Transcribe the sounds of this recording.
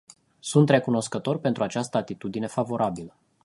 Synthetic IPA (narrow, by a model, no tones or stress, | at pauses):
sunt̪re̞kuno̞skət̪o̞rpe̞nt̪ɾuat͡ʃast̪əat̪it̪ud̪ine̞favo̞ɾʔabilə